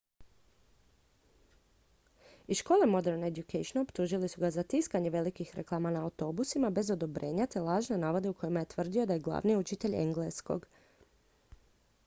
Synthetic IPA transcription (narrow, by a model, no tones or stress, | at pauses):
iʃko̞ːle̞mo̞d̪e̞ɾned̪jukejʃonopt̪uʒilisuɡazat̪iskaɲe̞ʋe̞likixɾe̞̰klˠaːmanaːwt̪o̞busimabe̞zo̞d̪o̞bɾʔe̞ːɲat̪e̞lˠaːʒnenaːʋo̞d̪e̞uko̞jimaje̞t̪ʋr̩d̪io̞d̪aje̞ɡlˠa̰ːʋniut͡ʃit̪e̞ʎḛŋɡlesko̞̰ɡ